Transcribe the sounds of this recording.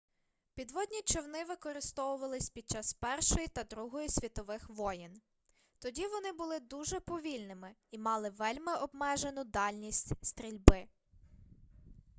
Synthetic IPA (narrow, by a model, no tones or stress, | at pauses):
pʲid̪ʋɔd̪ʲnʲit͡ʃɔwnɪʋɪkɔɾɪst̪ɔʋʊʋɐlˠɪsʲpʲid̪̚t͡ʃɑspɛrʃɔjit̪ɐd̪ɾuɦɔjisʲʋʲit̪ɔʋɪxʋɔjɪn | t̪ɔdʲiʋɔnɪbʊlˠɪd̪uʒɛpɔʋʲilʲnɪmɪimɑlˠɪʋɛlʲmɪʔɔbmɛʒenʊd̪ɑlʲnʲisʲtʲst̪ɾʲilʲbɪ